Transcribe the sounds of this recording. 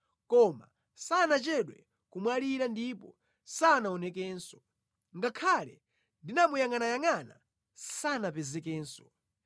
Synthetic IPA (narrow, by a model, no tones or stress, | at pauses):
kɔma̰ | sanat͡ʃɛɗwɛ | kumwaliɾandipɔ | sanaɔnɛk̬ɛːnsɔ̥ | ŋɡakʰalɛ | ndinamujaŋanajaŋana̰ | sanapɛzɛkɛːnsɔ̥